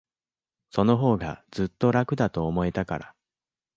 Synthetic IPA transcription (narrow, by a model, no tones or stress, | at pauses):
so̞no̞ɦo̞ːɡa̰z̥ɨt̪ːo̞ɾakɯ̟d̪at̪o̞ːmo̞et̪akaɾa̰